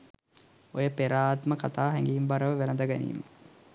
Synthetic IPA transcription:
ojəpeɾaːt̪məkat̪aːɦɛŋɡiːmbaɾəʋəʋænəd̪əɡanḭːmə

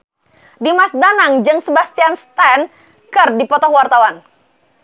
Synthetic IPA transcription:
dimasdanaŋd͡ʒɨŋsəbast̪ianst̪ɛn | kɨrdipɔt̪ɔhwart̪awan

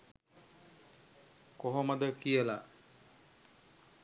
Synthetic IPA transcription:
koɦoməd̪əkijəla

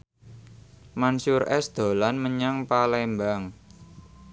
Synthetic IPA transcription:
mansʊɾɛsd̪̥o̤lanməɲaŋpalɛmbaŋ

